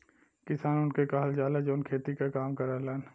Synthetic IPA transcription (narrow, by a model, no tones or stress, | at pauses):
kɪsaːnʊnkekaɦəld͡ʒaːlad͡ʒoːnkʰeːt̪ikakaːmkɐɾalaːn